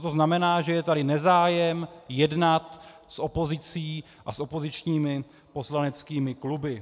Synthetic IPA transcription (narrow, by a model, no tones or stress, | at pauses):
t̪o̞znamɛnaːʒɛjɛt̪adɪnɛzaːjɛmjɛdnat̪ | sʔo̞po̞zɪt͡siː | ʔasʔo̞po̞zɪt͡ʃɲiːmɪ | po̞slanɛt͡skiːmɪklubɪ